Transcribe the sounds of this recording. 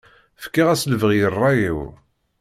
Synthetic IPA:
fkːiʁæsləvəʁjərˤːɑjiw

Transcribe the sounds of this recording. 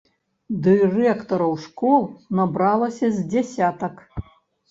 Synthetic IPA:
d̪ɨrɛkt̪ɐɾɐwʂkɔlˠnabɾalˠɐsʲɐzʲd͡zʲasʲat̪ɐk

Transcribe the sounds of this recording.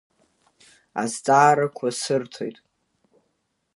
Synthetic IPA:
a̰zd͡zʼaːɾakʷʰasɨrtʰo̞̰jtʼ

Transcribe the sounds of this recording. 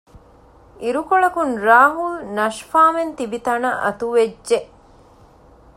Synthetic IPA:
ʔiɾukoɭɐkunɾaːɦulnɐʃfaːment̪ibit̪ɐnɐʔɐ̰t̪uʋeʒeʔ

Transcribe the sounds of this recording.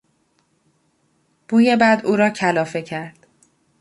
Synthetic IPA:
b̥uːjebæd̪uːɾɒːcʰælɒːfe̞cʰæɾd̪̥

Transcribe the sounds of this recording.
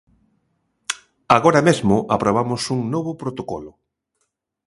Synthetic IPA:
aɣoɾamezmʊʔapɾoβ̞amʊsuŋnɔβʊpɾot̪okɔlʊ

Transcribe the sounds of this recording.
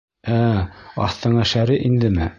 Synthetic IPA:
æɑ̰θt̪ɤ̆ɴɑʃæɾiʔind̪ɘmɘ

